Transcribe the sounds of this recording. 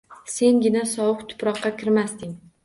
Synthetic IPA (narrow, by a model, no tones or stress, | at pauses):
se̞ŋɡʲɪnasɒwʊqt̪ʰʊ̥pɾɒqːɑkʲʰɪɾmast̪ɪŋ